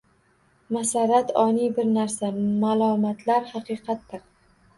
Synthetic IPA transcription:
masaɾat̪ɒnibɪɾnaɾsamalˠɒmat̪ʰlaɾhɑqɨjqʰɑt̪ːɪɾ

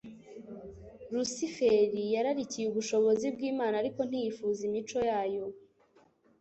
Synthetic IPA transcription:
ɾusifeɾijaɾaɾicijuβuʃo̞βo̞zibɡiːmaːnaɾiko̞n̥ijifuzimit͡ʃo̞jaːjo̞

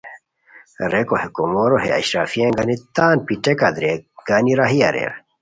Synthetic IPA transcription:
ɾekohekomoɾoɦeɐ̰ɕɾafieŋɡanit̪aːnpiʈekad̪ɾeɡ̥aniɾaɦia̰ɾḛɾ

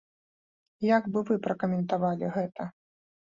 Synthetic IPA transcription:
jaɡbɨvɨpɾɐkɐmʲɛnt̪avalʲiɣɛt̪ʰɐ

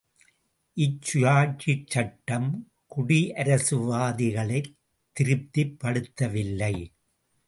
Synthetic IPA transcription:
ʔɪt͡ʃːʊjaːt͡ʃːɪt͡ʃːɐʈːɐm | kʊɽiʔɐɾɐsɯʋaːðɪɣɐɭɐɪ | t̪ːɪɾɯp̚t̪ɪpːɐɽɯt̪ːɐʋɪlːɐɪ

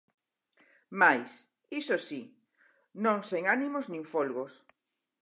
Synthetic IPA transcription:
majs | isosi | nõŋseŋanimoznĩŋfolɣos

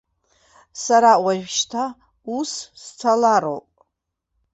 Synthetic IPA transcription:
saɾawaʒᶣʃtʰa | usst͡sʰalaɾo̰wpʼ

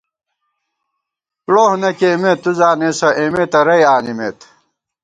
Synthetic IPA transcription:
ploːhnɐkeːmet̪ːuzaːneːsɐʔeːmet̪ɐɾɐjaːnimḛːt̪

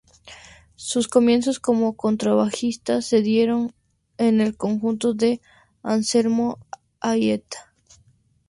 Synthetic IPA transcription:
susko̞mje̞nsosko̞mo̞ko̞nt̪ɾaβaxist̪ase̞ðje̞ɾo̞n | ene̞lko̞ŋxunt̪o̞ðe | anse̞ɾmo | ajet̪ḁ

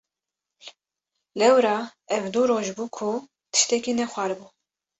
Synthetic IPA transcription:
lɛwɾɑːɛvd̪uɾoːʒbuːkʰu | t̪ʰɨ̥ʃt̪ɛkinɛxʷæɾbuː

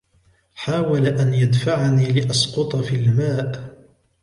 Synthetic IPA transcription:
ħaːwalaʔanjad̪faʕaniːlɪʔɑsqʊt̪ˤɑfilmaːʔ

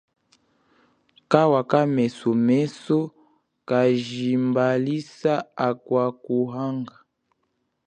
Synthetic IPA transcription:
kawakamɛsɔmɛsɔ | kaʒimbalisaakwakuɦaŋɡa

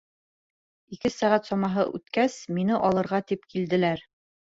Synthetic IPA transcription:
ikɘsæʁæt̪sɒmɑɦɤ̰ʔʉ̰t̪kæsminɘʔɒlˠɤ̆ɾʁɑt̪ipkʰild̪ɘ̆læɾ

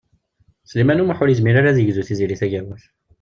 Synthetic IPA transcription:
slimænumaħʊɾjəzmiɾaɾaðəʝzuθiziliθæʝəɾwuθ

